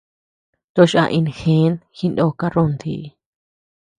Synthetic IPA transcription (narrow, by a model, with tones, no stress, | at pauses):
t̪o˧ʃa̰˧ʔĩ˧nxẽ˨˦nxi˦ndo˧ka˦rõ˦nd̪ḭ˨˧˨